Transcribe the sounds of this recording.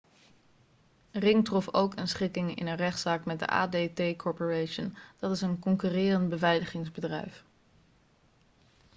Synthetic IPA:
rɪŋtrɔfowkənsχɪkɪŋɪ̰nənrɛχtsaːkmɛt̚də̰ʔa̰ːdejtejkʰɔɹpəɹejʃənd̥ɑtɪsənkɔŋkyːrɪːrəntbəvɛjləχɪŋzbədrɛ̰jf

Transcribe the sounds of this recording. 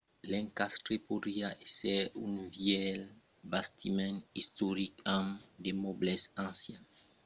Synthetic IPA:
lɛ̃ŋkast̪ɾepod̪iaesɛũnvjɛl | bast̪imɛ̃nist̪oɾikãmd̪emoblɛsãsjɛ̃n

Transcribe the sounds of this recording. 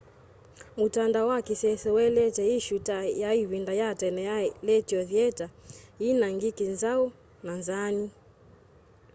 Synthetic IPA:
mutandaɔwakisɛsɛwɛlɛt͡ʃɛiʃutajaiwindajatɛnɛlɛtiɔðjɛtainaŋɡikinzaɔ | nanzani

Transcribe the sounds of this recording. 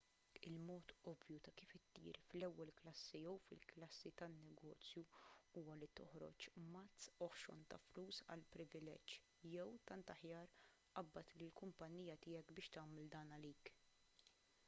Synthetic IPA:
ɪlmɔːt̪ɔvjut̪ɐkiːfɪt̪ːḭːɾflɛwːɛlklɐsːijɛwfɪ̰lklɐsːit̪ɐnːɛɡɔːt͡sjuuːwɐlit̪ɔħɾɔ̰t͡ʃmɐtt͡sːɔħʃɾɔ̰nt̪ɐ̰fluːsɐ̰lpɾɪvɪlɛ̰d͡ʒ | jɛwt̪ɐnt̪ɐħjɐːɾ | ʔɐbːɐt̪lɪlkʊmpɐnːiːjɐt̪ɪːjɛkbɪːʃt̪ɐːmɛld̪ɐːnɐliːk

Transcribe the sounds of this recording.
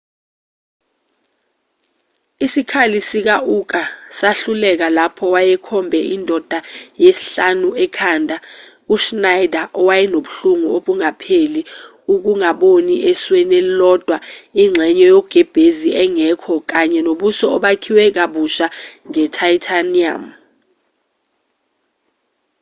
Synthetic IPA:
isikʰalisik̬aʔuk̬ʼasaɬulɛk̬alapʰɔwajɛkʰɔmbʱɛʔindʱɔd̥ʱajesiɬanuɛkʰaːndʱa | uʃnajdʱaʔɔwajɛnoɓuɬuŋuoɓuŋapʰeli | uk̬uŋaɓoniʔeswɛnelilɔd̥ʱwaiŋ͡ǀʱɛɲɛjɔɡ̥ʱɛb̥ʱeziɛŋɛkʰɔk̬aɲɛnoɓusɔːɓakʰiwɛk̬aɓuʃaŋɛtʰaitʰania̰m

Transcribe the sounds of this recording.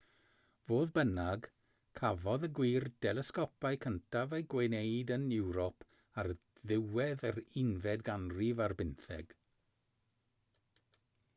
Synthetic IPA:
voːðbənaɡ | kʰavɔðəɡwiːrd̥ɛlˠɛskɔpajkʰəntʰavejɡwenejdənɪwɾɔpʰ | arðɪwɛðaɾɪnvɛdɡanrivarbɪnθɛ̰ɡ̥

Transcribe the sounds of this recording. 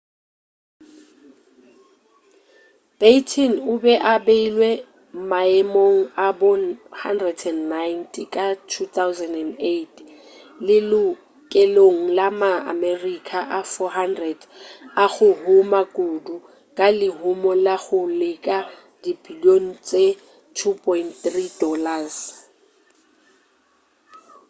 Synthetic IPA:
petʰinʊbɛʔabeilwe | maɛmoŋ̩abɔhandrɛdʰɛnnajntʰʼikʼatʰut̪ʰawzɛndɛndet | lɪlʊ | kʼɛloŋ̩lamaa̰mɛrikʼʰaʔafɔɦandrɛdaχʊɦʊmakʼudu | kʼalɪɦʊmɔlaχʊlɪkʼa | dibiljoŋ̩t͡sʼe | tʰupʰʼɔintθridɔlas

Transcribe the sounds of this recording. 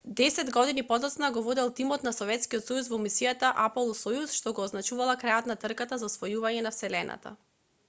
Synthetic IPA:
d̪ɛsɛd̪ɡɔd̪inipɔd̪ɔt̪snaɡɔvɔd̪ɛlˠt̪imɔt̪nasɔvɛt̪skiɔt̪sɔjusvɔmisijat̪aʔapɔlˠɔsɔjusʃt̪ɔɡɔːznat͡ʃuvalˠakɾajot̪nat̪r̩kat̪azaɔsvɔjuvaɲɛnafsɛlɛna̰t̪a̰

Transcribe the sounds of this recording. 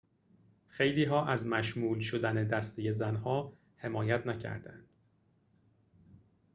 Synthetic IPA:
xe̞jliːɦɒːʔæzmæʃmuːlʃod̪æne̞d̪æst̪eje̞zænhɒː | he̞mɒːjæt̪ʰnæcʰæ̰ɾd̪æ̰nd̪̥

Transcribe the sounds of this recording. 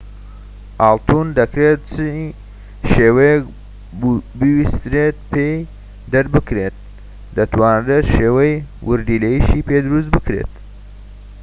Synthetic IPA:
ʔɑːlˠt̪und̪ɐkɾet̪̚t͡ʃʰɨ | ʃeːwɐjek | bɨwist̪ɾet̪̚pʰej | d̪ɐɾbɨkɾet̪̚ | d̪ɐt̪waːnret̪ʃeːwɐjwʔʊ̰ɾd̪iːlejiʃiːped̪ɾus̬bɨkɾḛt̪

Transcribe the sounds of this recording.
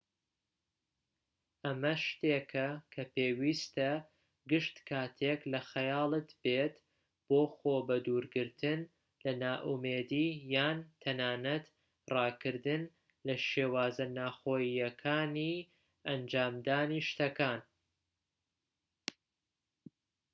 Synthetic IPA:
ʔɐmɐʃt̪ekʰɐkʰɐpeːwiːst̪ɐ | ɡɨʃt̪kʰaːt̪ʰeklɐxɐjaːlˠɨt̪b̥eːt̪ | b̥oːxoːbɐd̪uːɾɡɨɾt̪ʰɨn | lɐnaːʔumeːd̪iːjaːnt̪ʰɐnaːnɐt̪ | rɑːkɨɾd̪ɨn | lɐʃeːwaːzɐnaːxoːjijɐkʰaːni | ɐnd͡ʒaːmd̪aːniʃt̪ɐkaːn

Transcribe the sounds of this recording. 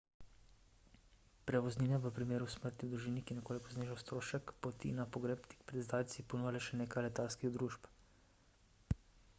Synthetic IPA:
pɾɛʋɔzniːnɛʋəpɾimeːɾusməɾt̪niwd̪ɾuʒiːnikinɛkoːlikɔzneːʒawst̪ɾoːʃɛkpɔt̪ḭnapɔɡɾeːpt̪i̥kpɾɛd̪zd̪aːjt̪sipɔnuːjalɛʃɛneːkajlɛt̪alskiɣd̪ɾuʃp

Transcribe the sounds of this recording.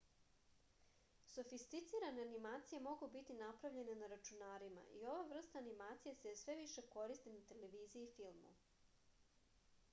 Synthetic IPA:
so̞fist̪it̪siɾane̞animaːt̪sije̞mo̞ɡubit̪inapɾavʎe̞nenaɾat͡ʃunaːɾima̰ʔio̞ʋaʋr̩st̪aːnimaːt̪sijesesʋe̞ʋiʃe̞ko̞ɾist̪inat̪e̞le̞ʋiːziiːfilˠmṵ

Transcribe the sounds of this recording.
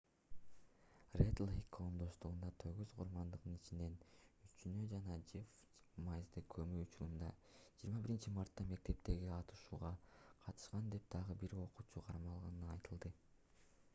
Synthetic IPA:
red̪lˠikʰːomd̪o̞st̪uʁund̪ɑt̪ʰø̞ɡyzqʰuɾmɑnd̪ɯʁd̪ɯnit͡ʃine̞nyt͡ʃynød͡ʒɑnɑd͡ʒif | mɑjzd̪ɯkʰømyut͡ʃuɾund̪ɑ̰d͡ʒiːɾmɑbiɾint͡ʃimɑɾt̪ːɑme̞k̚t̪e̞pt̪e̞ɡiɑt̪ɯ̥ʃuːʁɑqʰɑt̪ʰɯ̥ʃqɑnd̪e̞p̚d̪̥ɑʁɯbiɾo̞quːt͡ʃuqʰɑɾmɑlˠʁɑnɑjt̪ɯlˠd̪ɯ

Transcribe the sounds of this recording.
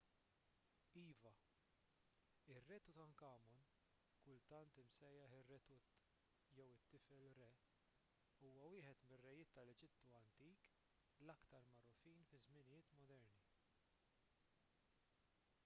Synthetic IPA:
iːvɐ | ɪrːɛːt̪ut̪ɐŋkɐːmɔn | kʊlt̪ɐnt̪ɪmsɛjːɐħɪrːɛt̪u | jɛwɪt̪ːɪfɛlɾɛ | uːwɐwɪːħɛt̪mɪrːɛjɪːt̪ːɐlɛd͡ʒɪt̪ːuɐnt̪iːk | lɐkt̪ɐɾmɐɾɔfiːnfɪzmɪnɪjɪːt̪mɔd̪ɛɾni

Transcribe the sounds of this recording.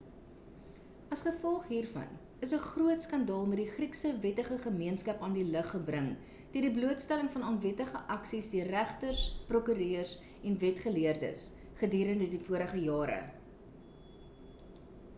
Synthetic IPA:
ɐsχəfɔlˠχɦiːrfɐ̰n | əsəχruətskɐndɑːlˠmɛt̚diχriksəvɛtəχəχəmiənskɐpɑːndiləχːəbrəŋ | d̥iərdibluətstæləŋfɐnɑːnvɛtəχəʔɐksisdiərːæχtərsprɔkyɾøːərs | ɛnvɛtχəliərdə̰s | χədyːɾəndədifuəɾəχəjɑːɾə̰

